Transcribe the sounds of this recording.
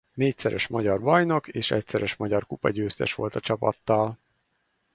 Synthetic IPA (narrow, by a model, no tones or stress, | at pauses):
neːcsɛɾʔɛʃmɒɟɒrbɒjno̞keːʃɛcsɛɾʔɛʃmɒɟɒrkupɒɟøːst̪ɛʃʋo̞̰lt̪ɒt͡ʃɒpɒ̰t̪ːɒl